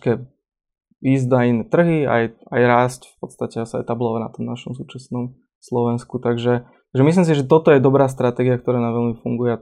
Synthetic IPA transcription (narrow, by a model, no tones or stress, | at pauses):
kɛ | iːzd̪ainɛt̪r̩ɦia̰jajɾaːscfpɔt̪st̪acɛasaɛ̰t̪ablɔʋana̰t̪ɔmnaʃɔmsuːt͡ʃasnɔm | slɔʋɛnskut̪aɡʒɛtt̪aɡʒɛmislims̬iʒɛt̪ɔt̪ɔjɛd̪ɔbɾaːs̬t̪ɾat̪ɛːɡiak̚t̪ɔɾɛːnamʋɛlmifuŋɡujɛa